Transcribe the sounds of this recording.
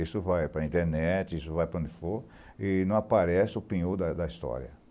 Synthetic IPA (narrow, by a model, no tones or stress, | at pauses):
isʊvajpɾɐĩt̪eɾnɛt͡ʃɪisʊvajpɾɐõd͡ʒ̪ɪfoɾ | ɪnɐ̃w̃apaɾɛsɪʊpĩɲud̪ɐd̪ɐist̪ɔ̰ɾiɐ̰